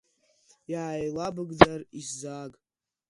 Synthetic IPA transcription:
jaajlabɨɡd͡zarizaɡʼ

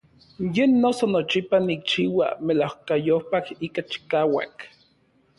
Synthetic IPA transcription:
jenːosonot͡ʃipanik̚t͡ʃiːwa̰melawkajohpakikat͡ʃi̥kaːwa̰k

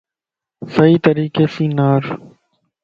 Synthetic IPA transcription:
səiːt̪əɾiːkeːsĩːnaːɾ

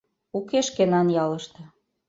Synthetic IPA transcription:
ukeʃkenɑnjɑlɤ̆ʃt̪ĕ

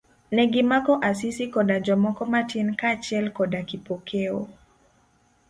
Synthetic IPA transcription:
nɛɡimakɔʔasisikɔdad͡ʒɔmɔkɔmatinkat͡ʃɛlkɔdakipɔkʰɛɔ̰

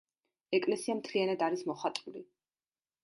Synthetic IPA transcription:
ɛkʼlɛsiamt̪ʰlianad̪aɾismɔχat̪ʼuli

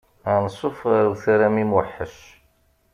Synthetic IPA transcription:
ænəsˤofʁaɾθæɾæmimwəħːəʃ

